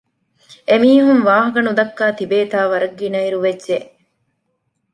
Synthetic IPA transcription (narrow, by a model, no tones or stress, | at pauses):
emiːɦumʋaːɦɐkɐnud̪ɐkːaːt̪ibeːt̪aːʋɐɾɐɡːinɐiɾuʋedʒe